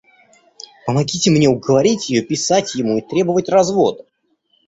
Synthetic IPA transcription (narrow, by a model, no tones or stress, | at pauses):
pəmɐɡʲitʲɪmnʲe̞ʊɡəvɐɾʲitʲjɪjopʲɪsatʲjɪmuit̪ɾʲe̞bəvətʲrɐzvo̞d̪